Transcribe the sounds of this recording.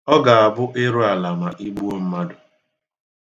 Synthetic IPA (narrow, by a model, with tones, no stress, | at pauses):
ɔ˦ɡa˨a˨bʊ˦ʔɪ˦ɾo˦a˨la˨ma˨ʔi˦ɡ͡bu˦o˦m̩˦ma˦dʊ˨